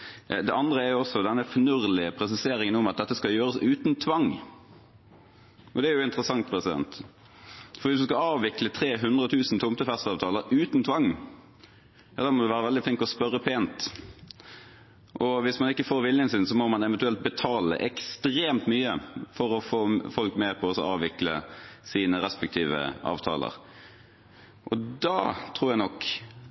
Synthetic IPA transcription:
d̪ɛʔɑnd̪ɾəæɾjʊɔsɔd̪ɛnːəfnʉʁlɪəpʰɾɛs̬ɪseːɾɪŋənʊmɑt̪̚d̪ɛt̪ːəskɑjøːɾəsʉːt̪nt̪ʰʋɑŋ | ʔɔd̪ɛæɾjʊɪnt̪ɾəsɑŋt̪̚pʰɾɛsɪd̪ɛ̰nt̪ | fɔɾʋɪsd̪ʉskɑɑːʋʋɪklət̪ʰɾeːɦʉnd̪ʁət̪ʰʉːsn̩t̪ʰʊmt̪əfɛst̪ɑːʋt̪ʰɑːləɾʉːt̪nt̪ʰʋɑŋː | jɑːd̪æːmɔd̪ɛʋæːʁəʋɛld̪ɪflɪŋkt̪ɔspœɾːəpʰeːnt̪ | ʔɔʋɪsmɑnɪkːəfoːɾʋɪljənsɪnsɔmɔmɑnɛʋɛnt̪ʉɛlt̪̚bɛt̪ʰɑːlə̰ʔɛkst̪ɾeːmt̪myːəfɔɾɔfoːfɔlkmeːʁpʰɔɔsɔɑːʋɪklə̰siːnəɾɛspɛk̚t̪ʰiːʋə̰ʔɑ̰ːʋt̪ʰɑ̰ːlə̰ʁ | ʔɔd̪ɑ̰ːt̪ʰʁuːɾjæɪnɔkː

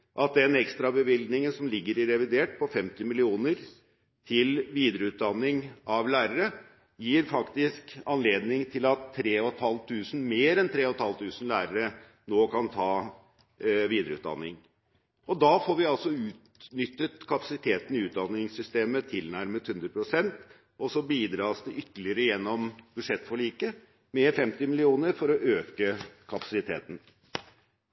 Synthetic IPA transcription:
ʔɑt̪̚d̪ɛnɛkst̪ɾɑbəʋɪlɡ̪nɪŋənsɔmlɪɡːəɾɪɾɛʋɪd̪eːʈ̚pʰɔfɛmt̪ɪmɪlɪuːnəɾ | t̪ʰɪlʋiːd̪ɾəʉːt̪̚d̪ɑnːɪŋɑʋlæːɾəɾə | jiːɾfɑkt̪ɪskɑnleːd̪nɪŋt̪ʰɪlɑt̪ʰːɾeːɔt̪hɑlt̪ʰːʉːsn̩meːɾɛnt̪ʰɾeːɔt̪hɑlt̪ʰʉːsn̩læːɾəɾə | noːkʰɑnt̪ʰɑː | ʋiːd̪ɾəʉ̰ːt̪̚d̪ɑ̰nːɪŋ | ɔd̪ɑːfoɾʋɪɑlsɔʉːt̪nʏt̪ːət̪kʰɑpɑsɪt̪ʰeːt̪ənɪʉːt̪̚d̪ɑnːɪŋsʏst̪eːmət̪ʰɪlnæɾmət̪hʉnd̪ɾəpʰɾʊsɛnt̪ | ʔɔsɔbiːd̪ɾɑːsd̪ɛʔʏt̪ːəlɪəɾəjɛnːɔmb̥ʉʂɛt̪ːfɔɭiːkə | mɛfɛmt̪ɪmɪlɪuːnəɾfɔɾɔʔøːkəkʰɑpɑ̥sɪt̪ʰḛːt̪n̩

